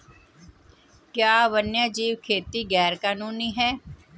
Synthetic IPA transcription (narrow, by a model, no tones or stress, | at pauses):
kjaːʋənjaːd͡ʒiːʋkʰeːt̪iːɡɛːɾkaːnũːniːɦɛː